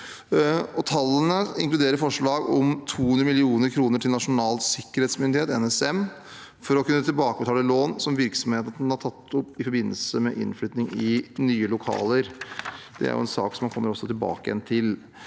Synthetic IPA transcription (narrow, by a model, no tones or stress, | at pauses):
ɔt̪ʰɑlːənəɪ̰ŋklʉd̪eːɾəɾfɔʂɭɑːɡɔmt̪ʰuːhʉnd̪ɾəmɪlɪuːnəɾkʰɾuːnəʈʰɪlnɑʂʊnɑːlsɪkːəɾheːt̪smʏnd̪ɪheːt̪ɛ̰nɛsɛm | fɔɾɔkʉnːət̪ʰɪlbɑːkəbət̪ʰɑːləloːnsɔmʋɪɾksɔmheːt̪ɑt̪nhɑʈʰɑt̪ʰːɔpːɪfɔɾbɪnːəlsəmɛ̰ʔɪ̰nːflyːt̪nɪŋɪnyːəlʊkʰɑ̰ːləɾd̪̥ɛ̰æ̰ɾjʊ̰ɛ̰nsɑ̰ːksɔmːɑnkʰɔmːəɾɔsːɔt̪ɪlbɑ̰ːkəjɛ̰nt̪ʰɪl